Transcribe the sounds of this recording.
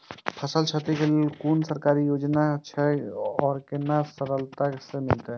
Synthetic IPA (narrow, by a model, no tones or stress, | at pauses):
pʰəsəlt͡ʃʰət̪ikellkunsəɾkaɾijod͡ʒnat͡ʃʰɛɔːɾkenasəɾəlt̪asemilt̪ɛ